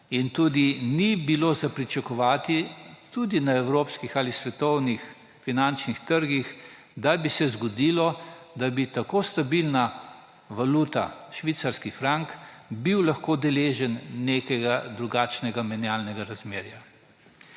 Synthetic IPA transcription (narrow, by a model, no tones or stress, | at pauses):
int̪uːd̪inibiloːzapɾit͡ʃakɔʋaːt̪it̪ud̪inaɛwɾoːpskixalisʋɛt̪ɔwnix | finant͡ʃnixt̪əɾɡix | d̪abisɛzɡɔd̪ilɔd̪abit̪akoːst̪abilna | ʋaluːt̪a̰ʃʋit̪saɾskifɾaŋkbiwlaxkoːd̪ɛleːʒɛnːekɛɡad̪ɾuɡaːt͡ʃnɛɡamɛnjaːlnɛɡaɾazmeːɾja